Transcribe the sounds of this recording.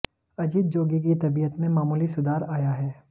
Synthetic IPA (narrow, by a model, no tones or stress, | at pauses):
ɐd͡ʒit̪̚d͡ʒoːɡik̬it̪ɐbijət̪mẽmaːmuːlisʊd̪aːɾaːjaɦɛː